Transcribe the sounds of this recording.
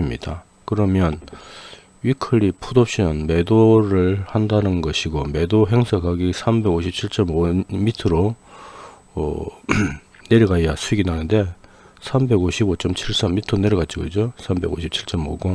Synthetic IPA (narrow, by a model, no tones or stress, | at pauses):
imɲḭd̥a | kɯɾʌmjʌn | ɥikʰɯɭːipʰudop̚ɕ͈inɯnme̞doɾɯɭhandanɯnɡʌɕʰiɡome̞doɦe̞ŋsʰʌkʰaɡisʰambe̞ɡoɕʰip̚t͡ɕʰiɭt͡ɕ͈ʌmomitʰɯɾo | neɾɯɡaiasʰuiɡinanɯnde̞ | sʰambe̞ɡoɕʰibot͡ɕʌmt͡ɕʰiɭs͈amːitʰɯɾone̞ɾɯɡat̚t͡ɕ͈iɡʌd͡ʑosʰambe̞ɡoɕʰip̚t͡ɕʰiɭt͡ɕ͈ʌmoɡo